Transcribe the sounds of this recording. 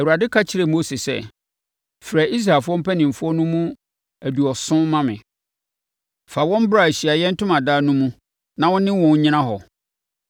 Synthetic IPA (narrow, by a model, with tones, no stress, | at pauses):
æ˨wu˨ɾa˨dɪ˦kʰa˦t͡ɕʰɪ˨ɾe˨mo˦si˨sɛ̰˦ | fɾa˨ʔi˦s̬ɾaː˨lfʊ˦ɔ˦m̩˦pʰæ˦nɪ̃˨m̩˨fʊ˦ɔ˦nʊ̃˦mũ˦ | æ˨du˨ɔ˨sʊ̃˦mã˦mɪ̰̃˨ | fa˨wɔ̃˦m˦bɾa˨ɕi˨a˨jɛ˦n̩˦tʊ̃˦mã˨daː˦nũ˦mũ˦ | nã˨wɔ̃˦nɪ̃˦wɔ̃˨n˦ɲɪ̃˦nã˦ɦɔ˨